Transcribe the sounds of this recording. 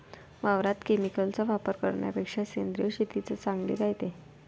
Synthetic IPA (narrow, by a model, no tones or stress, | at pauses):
ʋaʋɾat̪kemikəlt͡saʋapəɾkə̰ɾɳja̰pekʂasend̪ɾijəɕit̪it͡sət͡sãŋɡlḭːd͡zaɦt̪e